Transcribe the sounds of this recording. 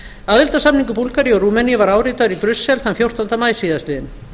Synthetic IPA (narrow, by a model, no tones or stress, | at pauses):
aðɪlt̪asamniŋkʏpulkaɾiɔɾuːmɛniʏvaɾaːwɾit̪aðʏɾipɾʏsːɛlθanfjowr̥t̪ant̪amaːjsiːðast̪ɪːðɪn